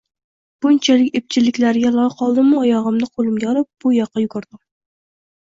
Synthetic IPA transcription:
b̥ʊnt͡ʃʰalɪkʲep̚t͡ʃʰɪlɪkʲlæɾɡʲɛlˠɑɑqʰɑlˠd̪ɪmʊɒjɑʁɨmnɨqʰolˠɪmɡʲaɾɪp̚b̥ʊjɑqːɑjuɡɑɾd̪ɪm

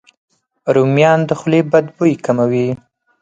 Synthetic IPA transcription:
ɾumjɑnd̪əxʊlebad̪bojkamawi

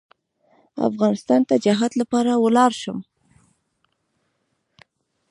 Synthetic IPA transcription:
a̰fɣɑnɪst̪ɑnt̪ad͡ʒaɦad̪lapɑɾawəlɑɾʃəm

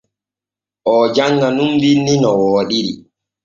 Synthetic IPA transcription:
ʔɔːd͡ʒaŋɡanumbinːinɔwɔːɗiɾi

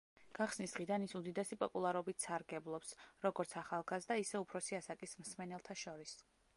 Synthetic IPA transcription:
ɡ̥aχsnisd̪ʁid̪anisud̪id̪ɛsipʼɔpʼulˠaɾɔbit̪saɾɡɛblˠɔpsɾɔɡɔɾt̪sʰaχalˠɡazd̪aisɛupʰɾɔsiasakʼismsmɛnɛlˠt̪ʰaʃɔɾis

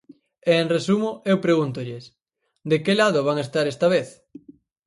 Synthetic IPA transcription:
eːnresumʊewpɾeɣunt̪ʊʎɪs | d̪ekelaðʊβaŋest̪aɾest̪ɐβ̞eθ

